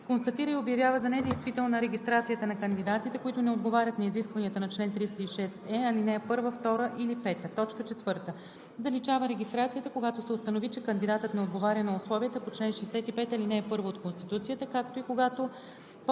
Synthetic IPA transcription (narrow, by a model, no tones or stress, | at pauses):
konst̪ɐt̪iɾəiobjɐvjavəzɐnɛd̪ɛjst̪vit̪ɛlˠnɐɾɛɡʲist̪ɾat̪sijət̪ənɐkənd̪id̪at̪it̪ɛkoit̪ʊnɛod̪̚ɡovaɾʲət̪nɐiziskvɐniət̪ənɐt͡ʃlɛnt̪ɾist̪əiʃɛst̪ɛɐlinɛɛpɤɾvəft̪ɔɾəʔilipɛt̪ət̪ɔt͡ʃkət͡ʃɛt̪vɤɾt̪ə | zɐlit͡ʃavəɾɛɡʲist̪ɾat̪sijət̪əkoɡat̪osɛost̪ɐnovit͡ʃɛkənd̪id̪at̪ət̪nɛod̪ɡovaɾʲjənɐʊslˠɔviət̪əpot͡ʃlɛnʃɛːsɛt̪ipɛt̪ɐlinɛːpɤɾvoːt̪̚konst̪it̪ut̪sijət̪əkak̚t̪oikoɡat̪o | p